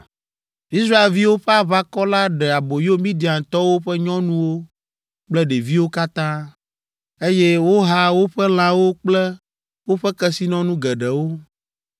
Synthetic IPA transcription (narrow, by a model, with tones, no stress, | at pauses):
i˦sɾa˦e˨lvi˦wo˦ɸɛ˦a˨βa˦kɔ˦la˦ɖɛ˨a˨bo˨jo˦mĩ˦d̪i˨ã˨t̪ɔ˦wo˦ɸɛ˦ɲɔ̃˦nũ˦wo˦ | k͡plɛ˦ɖe˨vi˦wo˦ka˦t̪ã˦ | e˦jɛ˦wo˦ɦa˦wo˦ɸɛ˦l̃ã˨wo˦k͡plɛ˦ | wo˦ɸɛ˦kɛ˦si˦nɔ̃˦nũ˦ɡɛ˨ɖɛ˨wo˦